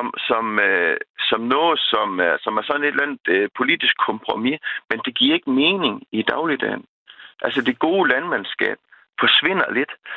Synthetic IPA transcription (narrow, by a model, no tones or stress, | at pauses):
msɒ̽møsɒ̽mnɔ̽ːð̩ˠsɒ̽mɐsɒ̽mæɐsɒ̽ne̝d̥læn̰ð̩ˠpʰo̝lid̥isɡ̥̚kʰɔ̽mpʰʁomimend̥e̝ɡ̥iɐe̝ɡ̥əme̝ːne̝ŋid̥ɑ̈ʊlid̥ɛ̰n | ʔælsəd̥e̝ɡ̥o̝ːlænmensɡ̥ɛ̰ːb̥̚ | fɒ̽sʋe̝n̰ɐle̝d̥